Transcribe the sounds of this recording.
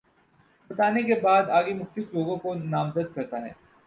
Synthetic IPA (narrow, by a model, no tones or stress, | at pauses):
bɐt̪aːnekebaːd̪aːɡemʊxt̪ɪsloːɡõkonaːmzəd̪̚kɐɾt̪aɦɛ̰ː